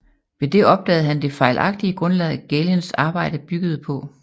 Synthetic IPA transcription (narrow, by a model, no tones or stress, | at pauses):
ʋe̝d̥e̝ɒ̽b̥̚d̥ɛ̰ːð̞̩ˠɦænd̥e̝fɑ̈ɪlʔɑ̈ɡ̥̚d̥iəɡ̥ʁɔ̽nlɛð̩ˠɡ̥elensɑ̈ːb̥ɑ̈ɪ̰ɾ̥əb̥yɡ̥əð̞̩ˠpʰɒ̽